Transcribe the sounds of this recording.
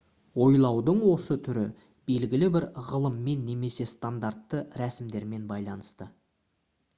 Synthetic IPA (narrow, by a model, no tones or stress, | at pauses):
wo̞jlˠɑwd̪əɴwo̞sət̪ʰʏɾɪ | b̥e̞lɡʲɪlɪbɪɾʁəlˠəmːe̞nːe̞me̞se̞st̪and̪art̪ːəɾæsɪmd̪e̞ɾme̞nbɑjlˠɑnəst̪ə